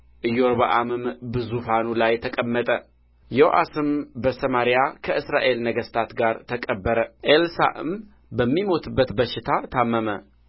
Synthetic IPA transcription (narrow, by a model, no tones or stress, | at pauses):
ʔɨjːoɾbaʔamɨmbɨzufanulajt̪ʰəkʼəmːət̪ʼə | joʔa̰sɨmbəsəmaɾijakʰəʔɨsɾa̰ʔe̞lnəɡəst̪ʰat̪ɡaɾt̪ʰəkʼəbːəɾəʔelsa̰ʔɨ̰m | bəmːimo̞t̪ʰɨbːət̪bəʃɪt̪ʰat̪ʰamːəmə